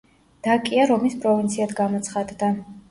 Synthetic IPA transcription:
d̪̥akʼiaɾɔmispʼɾɔvint̪sʰiat̪ʰɡamɔt̪sʰχad̪d̪a

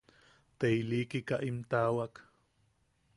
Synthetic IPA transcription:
t̪ejliːkikaʔimt̪aːwak

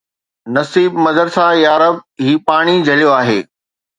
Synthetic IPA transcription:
nɐsiːbmɐzəɾsajaːɾəb̚ɦiːpaːɽ̃id͡ʑʱɐljoaːɦeː

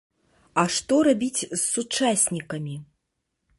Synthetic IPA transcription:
ɐʂt̪ɔɾabʲit͡sʲsːut͡ʂasʲnʲikɐmʲi

